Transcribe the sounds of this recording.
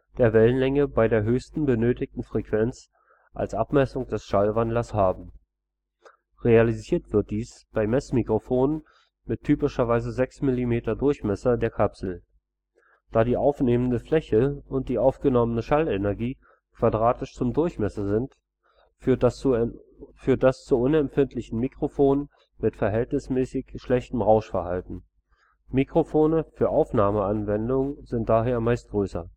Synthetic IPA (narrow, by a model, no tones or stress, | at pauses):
d̥eːɐvɛlənlɛŋəbaɪdeːɐɦøːçstn̩bənøːtɪk̚tn̩fʁ̥ekv̥ɛnt͡s | ʔa̰lsʔapmɛsʊŋd̥ɛsʃalvandlɐshaːbm̩ | ʁealiziːɐtv̥ɪɐt̚d̥iːsb̥aɪmɛsmikʁ̥ofoːnən | mɪtʰːyːpɪʃɐvaɪzəzɛksmɪlimeːtɐdʊɐçmɛsɐdeːɐkʰapsl̩ | d̥aːɾiːʔaʊfneːməndəflɛçəʔʊnt̚d̥iːʔaʊfɡ̥ənɔmənəʃalenɛɐɡiː | kv̥adʁaːtɪʃt͡sʊmdʊɐçmɛsɐzɪnt | yːɐ | fyːɐt̚d̥ast͡suʔʊnɛmfɪntʰlɪçn̩mikʁ̥ofoːnən | mɪtfɛɐɦɛltnɪsmɛːsɪçʃlɛçtm̩ʁaʊʃfɛɐhaltn̩ | mikʁ̥ofoːnəfyːɐʔaʊfnaːməanvɛndʊŋzɪnt̚d̥aːɦeːɐmaɪst̚ɡ̥ʁøːsɐ̰